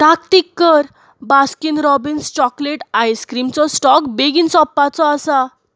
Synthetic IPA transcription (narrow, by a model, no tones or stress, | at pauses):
t̪akʈ̪ikːəɾ | baskinɾɔbinst͡ɕɔkleʈajskɾimt͡sɔsʈɔkbeɡiːnsɔpːat͡sɔasa